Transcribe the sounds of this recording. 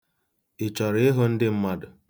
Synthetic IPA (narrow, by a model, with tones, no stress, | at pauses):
ɪ˨t͡ʃɔ˨ɾɪ˦ɪ˦ɦo˦n̩˦dɪ˦m̩˦ma˦dʊ˨